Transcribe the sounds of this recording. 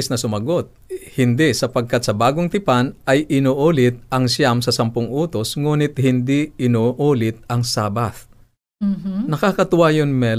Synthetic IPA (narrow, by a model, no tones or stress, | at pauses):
snɐsʊmɐɡo̞t̪̚hɪnd̪ɪsɐpɐɡ̚kɐt̪̚sɐbaːɡoŋt̪ɪpanɐjʔɪnoːʔuːlɪt̪̚ʔɐŋsamsɐsɐmpʊŋʔuːt̪o̞sŋuːnɪt̪̚hɪnd̪iɪnoʔuːlɪt̪̚ɐŋsaːbaθ | nɐkakɐt̪ʊwajonmɛ